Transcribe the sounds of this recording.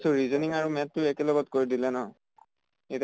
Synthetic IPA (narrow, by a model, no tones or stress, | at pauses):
sʊɹizɔniŋaɹumɛtːʊekɛlɔɡɔtkoɹidilɛnɔ | et